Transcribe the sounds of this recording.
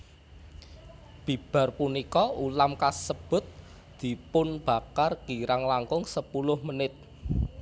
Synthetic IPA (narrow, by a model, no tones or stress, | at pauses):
b̥i̤b̥a̤rpunikɔulamkasəb̥ʊ̤t̪̚ | d̪̥i̤pʊnb̥a̤karɡ̥iɾaŋlaŋkʊŋsəpulʊhmənɪt̪̚